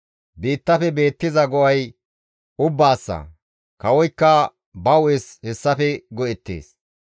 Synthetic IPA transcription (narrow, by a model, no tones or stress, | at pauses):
biːt̪ːɐfɛbe̞ːt̪ːɪzɐɡɔʔɐj | ʊbːaːsːɐ̰ | kɐwɔjkːɐ | bɐweshɛsːɐfɛɡɔʔɛt̪ːḛːs